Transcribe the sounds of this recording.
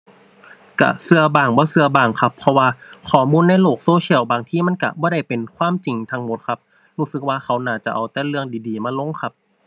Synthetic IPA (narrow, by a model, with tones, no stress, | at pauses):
ka̰˧˩sɯ˧ɐbaː˧˩ŋbɔː˧˦sɯ˧ɐbaː˧˩ŋkʰa˧˥pʰːɔ˧waː˧kʰɔː˨˩muː˧˥˨nːa˧˥˩jloː˧˩k̚soː˧si˧˩ə˨wbaː˨˧ŋt̪ʰiː˧˥˨ma˧˥˨nka̰˧˩bɔː˧˦ɾa˧˩jpe˨nkʰwaː˧˥˨mt͡ɕi˨ŋt̪ʰa˧ŋmo˧˦t̪̚kʰa˧˥p̚ | ɾuː˧˥˩sɯ˧˦k̚waː˧kʰa˦˥wnaː˧˩t͡ɕa˧˩ʔa˨˩wt̪ɛː˧˦lɯ˧əŋdiː˨˦diː˨˦maː˧˥lo˧˥˨ŋkʰa˧˥p̚